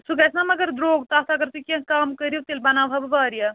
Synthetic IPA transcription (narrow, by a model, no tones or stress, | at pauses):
suɡɛsnamɐɡɐɾd̪ɾoːɡt̪aːt̪ʰaɡɐɾt̪ukãkaːmkɐɾijot̪ilbɐnaːʋʱabbaːɾijaː